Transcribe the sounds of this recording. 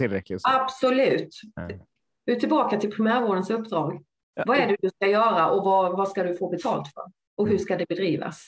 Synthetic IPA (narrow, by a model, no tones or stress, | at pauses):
ɪlɾɛkɪab̥sɔlʉ̟ːt̪ | vɪt̪ʰɪlbɑːkat̪ʰɪlpʰɾɪmæːɾvoːɖ̪ənsɵpːd̪ɾɑːɡ | vɑæɖɵd̪ɵskajœːɾaʔɔvavaskad̪ɵfoːbɛt̪ʰɑːlt̪fœ̰ɾ | ʔɔɦɵʂkad̪ɛbɛd̪ɾiːva̰s